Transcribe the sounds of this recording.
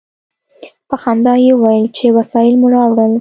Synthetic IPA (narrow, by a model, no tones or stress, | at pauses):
paxand̪ɑjeuwajəlt͡ʃewasɑjɪlmuɾɑwɽəl